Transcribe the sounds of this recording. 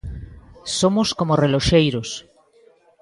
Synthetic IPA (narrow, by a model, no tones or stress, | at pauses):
somʊskomoreloʃejɾos